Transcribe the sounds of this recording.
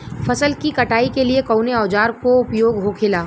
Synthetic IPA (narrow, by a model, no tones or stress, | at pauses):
fʰɐsəlkikɐʈaːikeliekɔʊneɔːd͡ʒaːɾkoʊpjoːɡɦokʰɪlaː